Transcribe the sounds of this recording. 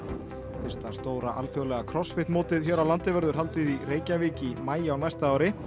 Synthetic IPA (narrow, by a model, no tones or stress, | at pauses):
θɪst̪ast̪oːwɾaʔa̰lθjowlɛɣakʰɾɔsfɪht̪moːt̪ɪðçɛːɾawlant̪ɪvɛɾðʏɾ̥ɦal̪t̪ɪðireːjcaviːcɪmaːjɪawnajst̪aaːwɾɪ